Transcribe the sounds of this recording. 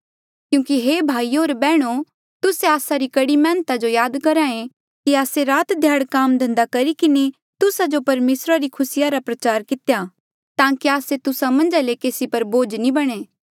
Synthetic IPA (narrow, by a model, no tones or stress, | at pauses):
kjũːkiɦeːbʱaːioːɾbɛːɽ̃o | t̪ʊseaːsaɾikɐɽimɛ̃ːnt̪ad͡ʒojaːd̪kɐɾaːẽ | kiaːseɾaːt̪d̪ʱjaːɽkaːmd̪ʱɐ̃nd̪akɐɾikɪne | t̪ʊsad͡ʒopɐɾmeːsɾaɾikʰʊsɪjaɾapɾɐt͡ʃaːɾkɪt̪ja | t̪ãːkiaːset̪ʊsamɐ̃nd͡ʒalekeːsipɐɾboːd͡ʒnibɐɽ̃eː